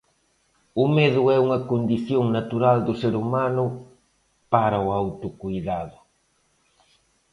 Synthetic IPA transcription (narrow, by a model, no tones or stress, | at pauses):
ʊmeðʊɛuŋɐkond̪iθjoŋnat̪uɾald̪ʊseɾumanʊ | paɾɐʊawt̪ʊkujðaðʊ